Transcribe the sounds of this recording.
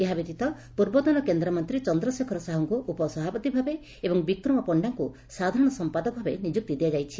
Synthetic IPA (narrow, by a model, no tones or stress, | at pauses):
eɦabit̪it̪ɔ | puɾbɔd̪ɔnɔkend̪ɾɔmɔnt̪ɾit͡ʃɔnd̪ɾɔsekʰɔɾɔsaɦɔŋkuʔupɔsɔɦapɔt̪ibʱabe | ebɔŋbikɾɔmɔpɔɳɖaŋku | sad̪ʱaɾɔɽ̃ɔsɔmpad̪ɔbʱabenid͡ʒuk̚t̪id̪ijad͡ʒajt͡ʃʰi